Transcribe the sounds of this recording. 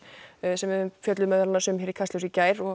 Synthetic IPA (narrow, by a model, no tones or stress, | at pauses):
sɛmvɪðʏmfjœt̪lʏmɛðalnasɛmçɛɾikʰast̪ɔwsicaːjɾɔ